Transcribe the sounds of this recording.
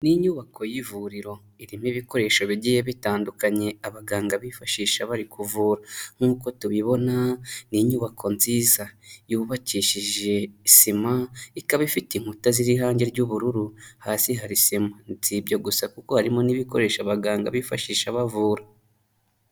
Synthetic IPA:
niɲuːβakʰo̞jivuɾiɾo̞ | iɾimiβiko̞ɾe̞ːʃoβiɟiːjeβitaːndukaɲe̞aβaɡaːŋɡaβifaʃiːʃaβaɾikʰuvuːɾaŋ̥uːko̞tuβiβo̞naniɲuːβakʰo̞nziːzajuβaciːʃiʒe̞isimaikaβaifitiŋ̥hutaziɾiɦaːɲɟe̞ɾɟuβuɾuɾuhaːsiɦaɾisimantiːbɟaɡusakuko̞haɾimo̞niβiko̞ɾe̞ːʃaβaɡaːŋɡa̰βifaʃiːʃaβavuːɾa

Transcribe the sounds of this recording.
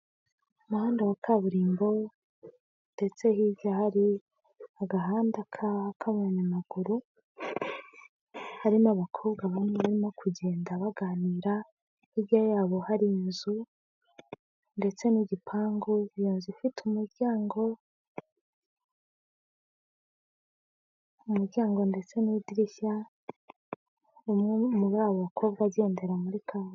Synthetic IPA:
umuhaːndawakʰaβuɾiːmbo̞ | nde̞t͡se̞hibɟahaɾi | aɡaɦaːndakʰaakʰaβonamaɡ̥uɾu | haɾimoaβakʰo̞bɡaβameβaɾimo̞kʰuɟe̞ːndaβaɡaːniːɾa | hibɟajaːβo̞haɾiinzu | nde̞t͡se̞niɟipʰaːŋɡojoːnzifitʰumuɾɟaːŋɡo̞ | umuɾɟaːŋɡo̞nde̞t͡se̞nidiɾiça | ummuβaːβoβakʰo̞bɡaeːnde̞ɾamuɾikʰaβ

